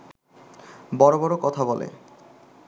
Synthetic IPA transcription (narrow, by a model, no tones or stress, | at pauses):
bɔɾobɔɾokɔt̪ʰabɔlḛ